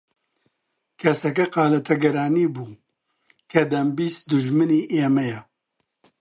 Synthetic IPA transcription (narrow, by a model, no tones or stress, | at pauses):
kʰɐsɐkɐqɑːlɐt̪ʰɐɡɐɾaːniːbuː | kʰɐd̪ɐmbiːst̪d̪ʊʒmɨniːʔeːmɛjɛ